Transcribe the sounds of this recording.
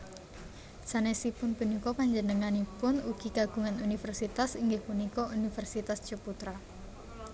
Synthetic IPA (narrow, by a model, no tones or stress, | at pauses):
sanɛsipʊnpunikɔpaɲd͡ʒənəŋanipʊnuɡ̥iɡaɡ̥ṳŋanunifərsit̪asiŋɡehpunikɔunifɛrsit̪asd͡ʒ̥oput̪ɾa